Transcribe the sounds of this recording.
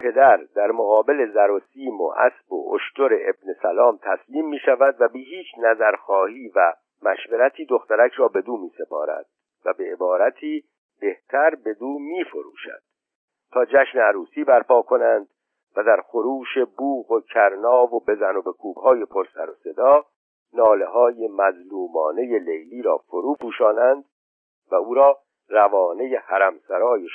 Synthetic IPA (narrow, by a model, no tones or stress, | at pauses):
pʰe̞d̪æɾd̪æɾmoɣɒːbe̞le̞zæɾo̞siːmo̰ʔæ̰sb̥o̞̰o̰ʃt̪oɾe̞ʔebne̞sælɒːmt̪ʰæsliːmːiːʃævæd̪væbeɦiːt͡ʃʰnæzæɾxɒːhiːvæ | mæʃveɾæt̪ʰiːd̪o̞xt̪æɾæcʰɾɒːbe̞d̪uːmiːse̞pɒːɾæ̰d̪̥ | væbe̞ebɒːɾæt̪ʰiː | b̥e̞ht̪ʰæɾbe̞d̪uːmiːfo̞ɾṵːʃæ̰d̪̥ | t̪ʰɒːd͡ʒæʃneæɾuːsiːbæɾpʰɒːkʰo̞nænd̪̥ | væd̪æɾxoɾuːʃe̞buːɣo̞cʰæɾnɒːvo̞be̞zæno̞be̞kʰuːb̥hɒːje̞pʰo̞ɾsæ̰ɾose̞d̪ɒː | nɒːle̞ɦɒːjemæzluːmɒːne̞je̞le̞jliːɾɒ̰ːfoɾuːpuːʃɒːnænd̪̥ | væuːɾɒː | rævɒːne̞je̞hæɾæmsæɾɒːjeʃ